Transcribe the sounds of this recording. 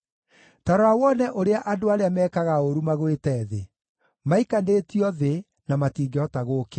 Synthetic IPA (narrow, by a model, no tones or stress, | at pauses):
taɾoawɔnɛʔoɾeaʔadoaɾeamɛːkaɣaoɾumaɣwetɛːðe | maikaneːtiɔðe | namatiːŋɡeɔtaɣoːke